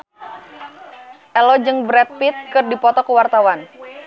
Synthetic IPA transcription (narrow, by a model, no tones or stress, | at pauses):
ʔɛlɔd͡ʒɨŋbɾɛt̪̚pit̪̚kɨrdipɔt̪ɔkəwart̪awan